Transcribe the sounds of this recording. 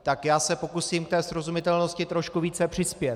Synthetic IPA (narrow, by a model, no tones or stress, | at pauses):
t̪akjaːsɛpo̞kusiːmk̚t̪ɛːsɾo̞zumɪt̪ɛlno̞scɪt̪ɾo̞ʃkuviːt͡sɛpr̝̥ɪspjɛt̪